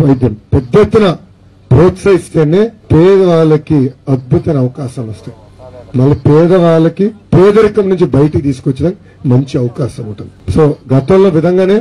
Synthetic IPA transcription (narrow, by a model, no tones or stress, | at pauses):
ʋɐjd̪jɐmpɛd̪jet̪ːunɐ | pɾoːtsɐjist̪eːneːpɛːd̪ɐʋaːɭɐkiɐd̪̚but̪ɐnɐɐʋɐkaːʃɐmɐst̪ej | mɐlːɐpɛːd̪ɐʋaːɭɐkipɛːd̪ɐɾikɐmnuɲt͡ʃibɐjɐʈɐikt̪iːsu̥kʋɐt͡ʃːɐɽɐn | mɐɲt͡ʃiɐʋɐkaːʃɐmuɳʈund̪iso̞ːɡɐt̪ɐmlo̞ːʋid̪ʱɐŋɡaːne̞ː